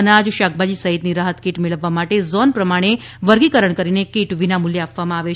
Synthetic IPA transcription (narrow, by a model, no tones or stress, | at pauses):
ənad͡ʒʃak̚ʰbad͡ʒisəɦit̪niɾaɦət̪kiʈmeɭəʋːamaʈezɔnpɾəmaɽ̃e | ʋəɾɡikəɾəɳkəɾinekiʈʋinamuljeapʋamãaʋe